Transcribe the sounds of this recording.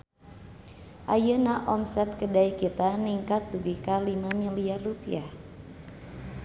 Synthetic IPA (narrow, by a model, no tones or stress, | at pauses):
ʔajənaʔɔmsɛt̪̚kədaikit̪aniŋkat̪̚duɡikalimamiliarːupḭah